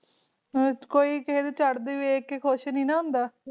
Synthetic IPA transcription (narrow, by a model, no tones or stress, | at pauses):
koːiːkəɦeːd̪eːt͡ʃəɽd̪iːʋekekʰoʃnĩːnãːɦʊ̃nd̪aː